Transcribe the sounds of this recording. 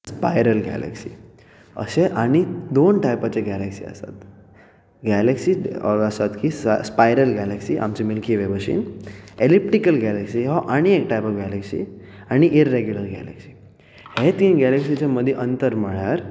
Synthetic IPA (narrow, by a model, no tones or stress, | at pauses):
spajɾəlɡɛ̰lḛksḭ | ə̰seʔaɽ̃id̪onʈajpat͡ɕeɡɛleksḭə̰sa̰t̪ | ɡæleksiəsat̪kisspajɾəlɡɛleksiːʔa̰mt͡ɕemilkʰiʋebəɕḭːnelip̚ʈikəlɡæleksiɦɔʔaɽ̃iek̚ʈajpɔʋɡæleksḭ | aɽ̃iʔiɾːeɡjuləɾɡɛ̰lḛksi̥ | het̪iːnɡæleksit͡ɕaməd̪ʱːjeʔənt̪əɾməɭjaɾ